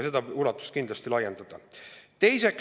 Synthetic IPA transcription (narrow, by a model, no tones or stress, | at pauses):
se̞d̪ɑulɑt̪ːˑu̥st̪kind̪lɑst̪ilɑje̞nd̪̥ɑd̪̥ɑt̪e̞jse̞k